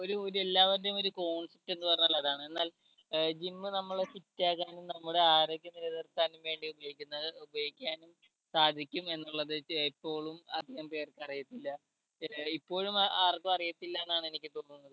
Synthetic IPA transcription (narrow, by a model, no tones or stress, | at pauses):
o̞ɾuoɾue̞lːaːʋɐnumo̞ɾuko̞ːɳsep̚ʈːe̞nːɨpɐrɐɲːɐlːɐðaːɳɨe̞nːaːl | d͡ʑimːɨnɐmːɐɭesitːaːkːaːnumnɐmːuɽe̞aːɾoɡʲjɐniɾɐðɐrt̪ːaːnumʋe̞ːɳɖiubɐjikʲːunːɐubɐjikʲːaːnum | saːd̪ʱikʲːume̞nːuɭːɐðɨipːo̞ːɭumɐ̰d̪ʱihɐmpe̞ːrkːɨɐrijɐt̪ːilːɐ | ipːo̞ːɻumaːrkumɐrijɐt̪ːilːɐenːaːɳenikʲːɨt̪o̞ːnːunːɐðɨ